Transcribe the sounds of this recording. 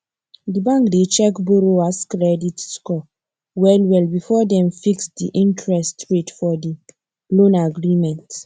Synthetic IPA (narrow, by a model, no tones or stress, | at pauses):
dibãŋkdet͡ʃɛkboɾoaskɾɛditskɔ | wɛlwɛlbifɔdɛ̃mfiksdiʔĩntʰɹɛstɹetfɔdi | lõnaɡɹimɛ̃nt